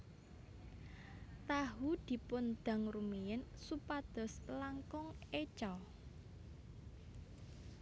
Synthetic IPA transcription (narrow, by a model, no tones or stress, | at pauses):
t̪aɦud̪̥i̤pʊnd̪̥ä̤ŋrumijɪnsupad̪̥ɔ̤slaŋkʊŋet͡ʃɔ